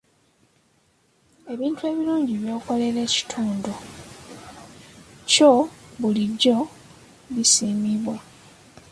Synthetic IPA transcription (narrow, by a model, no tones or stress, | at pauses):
e̞βiːntue̞ːβiluːɲɟiβjo̞ːko̞le̞ɾe̞ːci̥tʰuːndo | co̞βuliɟːo̞ | βisiːmiβwa